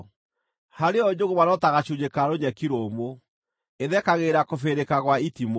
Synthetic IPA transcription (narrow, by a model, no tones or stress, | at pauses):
haɾeɔd͡ʑoɣomanɔtaɣaɕud͡ʑekaɾoɲɛkiɾomo | eðɛkaɣeɾakofeɾekaɣwaitimo